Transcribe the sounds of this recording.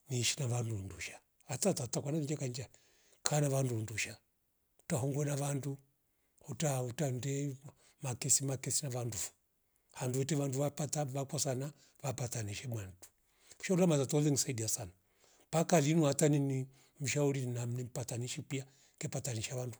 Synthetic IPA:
niʃi̥naʋandunduʃḁ | atatatakwananid͡ʒakand͡ʒa | kʰanaʋandunduʃa | u̥taɦɔŋɡwɛnaʋandu | hutautandɛ | makɛsimakɛsinaʋandufu̥ | handuʋɛtɛʋanduʋapataʋakɔsana | ʋapataniʃɛmwan̩tu̥ | uʃaulamatatɔlɛŋisaidiasana | pakalinuatanini | m̩ʃauɾinnam̩nipataniʃipia | kɛpataniʃaʋandu

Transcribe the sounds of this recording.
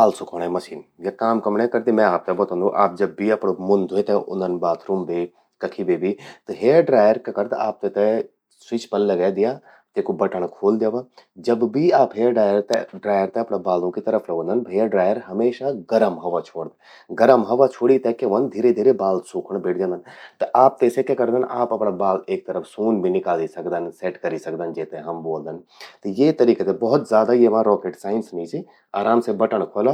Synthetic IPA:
baːlsʊkʰəɳ̃ɛ̃mɐʃiːnjakaːmkɐmɳ̃ẽkɐɾt̪imɛ̃aːp̚t̪ɛbɐt̪õnd̪ũʔaːp̚d͡ʒɐbːiɐpɽomʊ̃nd̪ʱoet̪ɛ̃ʔʊ̰nd̪ənbaːt̪ʰɾʊmbeː | kɐkʰibeːbʱit̪ɨɦeːɖɾaːjəɾkɐkɐɾt̪a̰ːp̚t̪et̪ɛ | swɪt͡ʃpɐlːɐɡaːd̪ɪja | t̪ekobɐʈəɳ̃kʰoːld̪jaːʋad͡ʒɐbbiaːpɦeːɖaːjəɾt̪ɛɖɾaːjəɾt̪ɛɐpɽabaːlõkit̪ɐɾəfʰlɐɡʋõnd̪ənbɦeːɖɾaːjəɾɦɐmeːʃaɡɐɾəmɦɐʋat͡ʃʰoːɽd̪ | ɡɐɾəmɦɐʋat͡ʃʰoːɽit̪ɐkːeʋɐnd̪ʱiːɾed̪ʱiːɾebaːlsuːkʰəɽ̃beːʈ̚ʰd͡ʒãnd̪ənt̪ɐʔaːp̚t̪eːsekekɐɾd̪ənaːpɐpɳabaːleːk̚t̪ɐɾəfʰsuːnbʱinɪkaːlisɐkd̪ənseːʈkɐɾisɐk̚d̪ənd͡ʒeːt̪ẽɦɐmboːld̪ənt̪ɐjet̪ɐɾiːket̪ebɔɦʊt̪zaːd̪ajeʋãɾɔːkeːʈsaːɪnsmẽt͡ʃi | aːɾaːmsebɐʈəɳ̃kʰoːla

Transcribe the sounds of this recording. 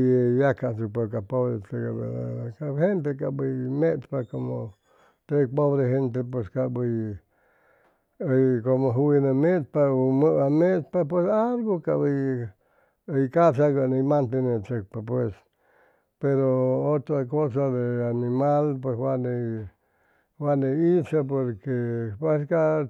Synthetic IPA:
jakasupek̬apoβɾetekabḛa̰kahent̪ekabɨjmet̪pakomo | t̪epoβɾeɦent̪̬epweskaʔbɨj | jkomoɦuinemepaumɨʔamet̪pap̬wesaɾɡokaβɨj | jkasaɡanemãnt̪enẽt͡ʃek̚papwes | peɾoot̪ɾakos̬aðeanĩmalpweswane | waneisap̬oɾkepeska

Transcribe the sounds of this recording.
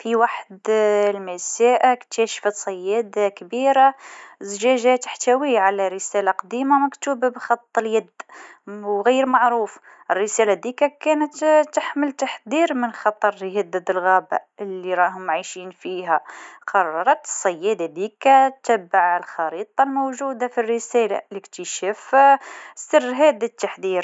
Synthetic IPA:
fiwaħd̪lmæsæʔakt̪æʃfət̪sˤɑjːæd̪akbiɾazʒæʒæt̪ə̥ħt̪æwiʕalæɾəsælaqɑd̪imamækt̪ubbxɑt̪ˤːəljæd̪ | wɣijːəɾmɑʕɾuːf | ʔərːəsælad̪ikækænət̪t̪ːaħməlt̪aħd̪iɾmənxɑt̪ˤɑɾˤhæd̪ːəd̪əlɣæba̰əlːiɾˤɑɦʊmʕaʃinfiɦæqʰɑrˤːɑɾˤɑt̪ə̥sˤːɑjːæd̪ad̪ikæt̪æbːaʕəlxɑɾit̪ˤɑlmowʒud̪afirːəsæla̰ləkt̪əʃæf | sərːɦæd̪it̪ːaħd̪iɾ

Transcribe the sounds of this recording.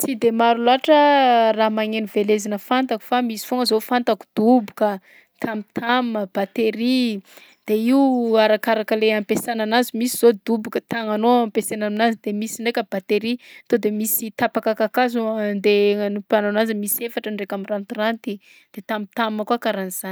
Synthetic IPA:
t͡sid̪emaɾulaʈ͡ʂəramaŋenivelezanəfant̪aku̥famisi̥foŋəzofant̪aku̥d̪̥ubukə | t̪ʰamit̪ʰamməb̥at̪eɾi | d̪̥eiuaɾakaɾakəleampesananazimisiz̥od̪ubukət̪aŋanoampesenaminazid̪emisiɳɖ͡ʐekʲəbat̪eɾit̪od̪emisit̪apakakakazond̪eənupananazəmisiefaʈ͡ʂəɳɖ͡ʐekʲamirant̪irant̪i | d̪̥et̪amit̪amiməkwakaɾaniz̥an

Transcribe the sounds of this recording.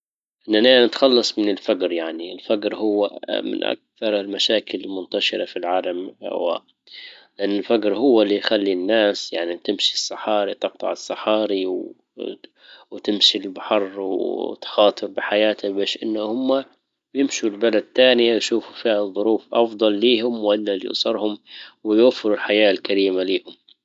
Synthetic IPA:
ʔɪnːananɪt̪xɑlːɑsˤmɪnɪlfaɡɾjaʕniɪlfaɡɾhʊwːamɪ̰nʔa̰k̚θɑɾˤɪlmaʃaːkɪlɪlmʊnt̪aʃɪɾɑfilʕaːlamha̰wa̰ː | lɪʔanːɪlfaɡɾhʊwːalːijxalːinːaːsjaʕnit̪ɪmʃisˤːɨħɑːɾit̪ɨq̚t̪ˤɑ̰ʕɨsˤːɑħɑːɾiw | wt̪ɪmʃilbaħɑrˤwt̪xɑːt̪ˤɨɾbɪħajaːt̪ʰabeːʃʔɪnːahʊmːa | jɪmʃulbalad̪̚t̪aːnɪjajʃuːfufiːʕðˤːʊɾuːfʔɑfd̪ˤɑlːiːhʊmwɪlːalḭʔsˤɑɾˤhʊmwɪjwafːɪɾulħajaːlkaɾiːmaliːhʊm

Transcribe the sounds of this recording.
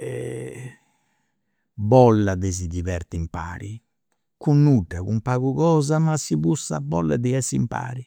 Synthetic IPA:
ɛ | bɔlːad̪ɛzid̪iβɛɾt̪impa̰ːɾi | kunːuɖːɛɣumpaːɣuɣɔːzamasiβusabɔlːɛd̪iɛsimpa̰ːɾi

